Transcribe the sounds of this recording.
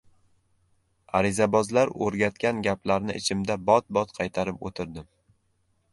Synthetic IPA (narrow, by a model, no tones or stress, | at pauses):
aɾɪzabɒzlaɾɵ̰ɾɡʲat̪kʲanɡʲaplaɾnɪʔɪ̰t͡ʃʰɪmd̪abɒt̪̚bɒt̪qʰɑjt̪ʰaɾɪpo̰t̪ʰɪɾd̪ɪm